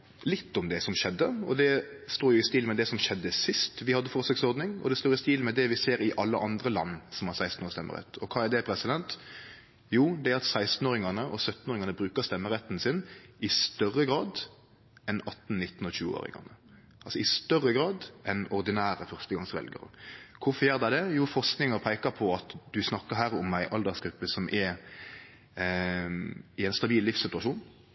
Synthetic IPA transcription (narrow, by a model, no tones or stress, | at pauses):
lɪt̪ːɔmd̪ɛsɔmʃɛd̪ːəɔd̪ɛst̪oːɾjʊɪst̪iːlmɛd̪ɛsɔmʃɛd̪ːəsɪst̪ʋɪhɑd̪ːəfɔʁsœksɔɾd̪nɪŋɔ̰d̪ɛst̪oːɾɪst̪iːlmɛd̪ɛʋɪseːɾɪʔɑlːə̰ʔɑnd̪ɾəlɑ̰nːsɔmɑsæɪst̪noːst̪ɛmːə̰ɾɛ̰t̪ːɔkʰɑːæd̪ɛpʰɾɛsɪd̪ɛnt̪ | juːd̪ɛæɾɑt̪sæɪst̪n̩oːɾɪŋɑnəʔɔsœt̪ːnoːɾɪŋɑnəbɾʉːkəst̪ɛmːəɾɛt̪ːn̩sɪnɪst̪œrːəɡɾɑːd̪ | ɛnɑt̪ːn̩nɪt̪ːn̩ɔɕçʉːəo̰ːɾɪ̰ŋɑ̰nə | ʔɑlsɔɪst̪œrːəɡɾɑːd̪ʔɛnɔɾd̪ɪnæːɾəfœʁst̪əɡɑŋsʋɛ̰lɡə̰ɾə̰kʰʊfɔɾjæːʁd̪æɪd̪ɛjuːfɔʁsknɪŋəɾpʰæɪkəpʰɔɑt̪d̪ʉsnɑkːəɾɦæːɾɔmæɪʔɑld̪əɾsɡɾʉpːəsɔmʔɛɾ | ɪɛnst̪ɑbiːllɪfsɪt̪ʉɑʂuːn